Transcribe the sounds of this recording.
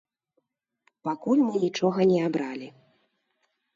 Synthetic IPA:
pakulʲmɨnʲit͡ʂɔɣɐnʲɛabɾalʲi

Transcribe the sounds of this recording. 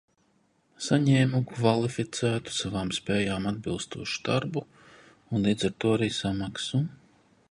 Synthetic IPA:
saɲɛːmukvalˠifit̪sæːt̪u̥savaːmspɛːjaːmad̪̚bilˠst̪uɔːʃu̥d̪̥aɾbu | unlˠiːd̪zaɾt̪uɔaɾiːsamaksu

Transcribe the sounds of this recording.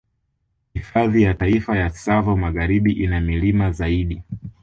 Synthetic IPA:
hifaðijataifajasavɔmaɣaɾiɓiʔinamilimazaiɗi

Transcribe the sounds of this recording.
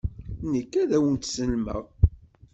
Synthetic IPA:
nəkːæðæwənt̪səlmə̰ʁ

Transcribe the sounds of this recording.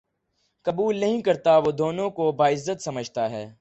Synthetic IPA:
kɐbuːlnɐɦĩkɐɾt̪aʋoːd̪oːnõkobaːɪzːət̪sɐməd͡ʒʱt̪aɦɛː

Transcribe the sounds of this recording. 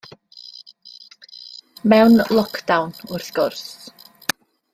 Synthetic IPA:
mɛwnlˠɔkʰd̥awnʊrθɡ̥ʊrθ

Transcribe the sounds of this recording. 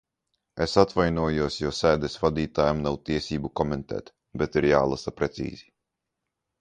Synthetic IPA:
esat̪vajnuɔjuɔsjɔsæːd̪ɛsvad̪iːt̪aːjamnawt̪iɛsiːbukɔmɛnt̪ɛ̰ːt̪ | bɛt̪iɾjaːlˠasapɾɛt̪sḭːzi

